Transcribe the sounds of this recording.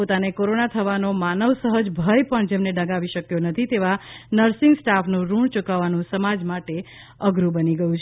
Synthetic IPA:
pot̪anekoɾonat̪ʰəʋanomanəʋsəɦəd͡ʒbʱəjpəɳd͡ʒemneɖəɡaʋiʃəkjonət̪ʰit̪eʋanəɾsɪŋɡsʈafʰnũɾuɳt͡ʃukaʋanũsəmad͡ʒmaʈe | əɡɾũbəniɡəjũt͡ʃʰ

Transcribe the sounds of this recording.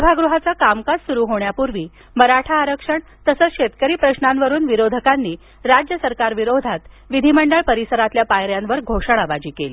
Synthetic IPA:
səbʱaɡɾuɦat͡sakamkad͡zsuɾuːɦoɳjapuɾʋiː | məɾaʈʰaːɾəkʂəɳ | t̪əsəːt͡sɕet̪kəɾiːpɾəɕnanʋəɾuːnʋiɾod̪ʱəkanːiː | ɾad͡ʑjəsəɾkaɾʋiɾod̪ʱat̪ | ʋid̪ʱiməɳɖəɭpəɾisəɾat̪ljapajɾjanʋəɾɡʱoʂəɳ̃aʋad͡ʑiːkeliː

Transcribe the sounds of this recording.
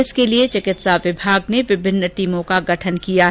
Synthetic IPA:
ɪskeliet͡ʃɪkɪt̪saʋɪbʱaːɡneʋɪbʱɪnːəʈiːmõkaɡɐʈʰənkijaɦ

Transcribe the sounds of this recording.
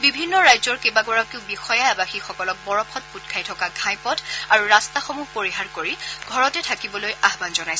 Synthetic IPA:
bibʱinːɔɹajzɔɹkebaɡɔɹakeʊ̃bixɔjaabaxixɔkɔlɔk̚bɔɹɔpʰɔt̚putkʰajtʰɔkaɡʱãjpɔtaɹuɹastaxomuɦpoɹiɦaɹkoɹiɡʱɔɹɔtɛtʰakibɔlojaɦbanzɔnajsɛ

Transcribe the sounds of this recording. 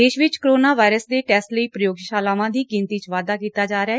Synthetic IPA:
d̪eːʃʋɪt͡ʃkɾoːnaːʋaːɪɾəsd̪eːʈɛːsʈləiːpɾəjoːɡʃaːlaːʋãːd̪iːɡɪnt̪iːt͡ʃʋaːd̪aːkiːt̪aːd͡ʒaːɾeaː

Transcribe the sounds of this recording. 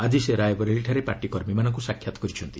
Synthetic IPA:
ad̪iseɾajɔbɔɾeliʈʰaɾepaʈikɔɾmimanɔŋkusakʰjat̪ɔ̥kɔɾit͡ʃʰɔnt̪i

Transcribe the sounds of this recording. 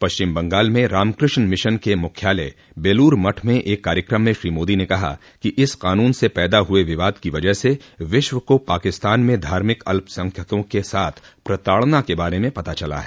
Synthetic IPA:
pɐʃt͡ʃɪmbɐ̃ŋɡaːlmẽɾaːmkɾɪʃnmɪʃənkemʊkʰjaːlḛ | beːluːɾmɐʈʰmẽʔeːkːaːɾjəkɾəmːẽʃɾiːmoːd̪inẽkɐɦa̰ | kiʔɪsqaːnuːnsepɛːd̪aɦʊeʋɪʋaːd̪kiʋɐd͡ʒəɦseʋɪʃʋəkopaːkɪst̪aːnmẽd̪ʱaːɾmɪkɐ̰lpsɐ̃ŋkʰjət̪õkesaːt̪ʰpɾɐt̪aːɭnakebaːɾemẽpɐt̪at͡ʃɐla̰ɦɛː

